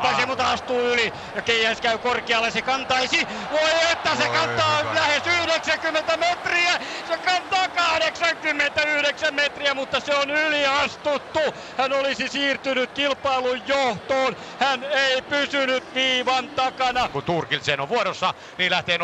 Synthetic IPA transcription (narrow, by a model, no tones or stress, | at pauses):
ɑsemut̪ɑɑst̪uːyli | jɑkeihæskæykorkeɑlːesekɑnt̪ɑisi | ʋoiet̪ːæsekɑt̪ɑːlæhesyhɾeksækymːent̪æmet̪riæsekɑnt̪ɑːkɑhɾeksɑŋkymːent̪æyhɾeksæmmet̪riæmut̪ːɑseonyliɑst̪ut̪ːu | hænolisisiːrt̪ynyt̪kilpɑilujjoht̪oːn | hæneipysynyt̪ʋiːʋɑnt̪ɑkɑnɑkunt̪urkilseno̰ʋʋuoɾosːɑ | niːlæht̪eːn